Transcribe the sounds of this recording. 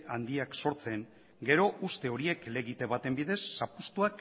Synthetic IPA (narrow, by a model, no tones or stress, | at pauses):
and̪iakso̞ɾt͡se̞ŋ | ɡe̞ɾo̞ʔust̪e̞o̞ɾie̞kle̞ɣit̪e̞βat̪e̞mbiðe̞sːapust̪uak